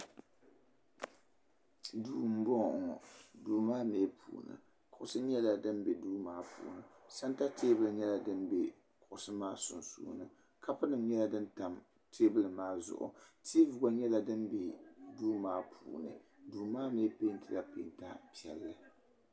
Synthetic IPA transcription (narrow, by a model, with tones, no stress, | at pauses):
duː˨m̩˨˦bɔ˦ŋ˨ŋ˨duː˨maː˦meː˦pʰṵː˨nɨ̰˨ | kʰʊ˨ʔʊ˨sɨ˦ɲɛ˦la˨dɨ˦mbɛ˨duː˦maː˦pṵː˨nɨ˨sa˦nta˦tʰeː˦bɨ˦lɨ˨ɲɛ˦la˦dɨ˦mbɛ˨ | kʊ˨ʔsɨ˦maː˦sʊ˨nsṵː˦nɨ˨ | kʰa˦pʊ˦nɨ˨m˦ɲɛ˦la˦dɨ˦nta˨m | tʰe˦bɨ˦lɨ˨maː˦zʊ̰˨ʔʊ̰˨tʰi˦vʊ˨ɡa˨ɲɛ˦la˦dɨ˦mbe˨duː˦maː˦pʰṵː˨nɨ̰˨ | duː˨maː˦meː˦pe˦ntɨ˨la˦pḛ˨˦nta˦pi˦˨ɛ˨lːɨ˨